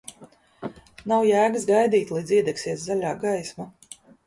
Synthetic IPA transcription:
nawjæːɡs̬ɡajd̪iːt̪ʲlˠiːd̪ziɛd̪ɛksiɛszalʲaːɡajsma

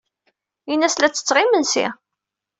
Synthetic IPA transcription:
inːæslæt͡sːə̥t͡sːʁɪmənsḭ

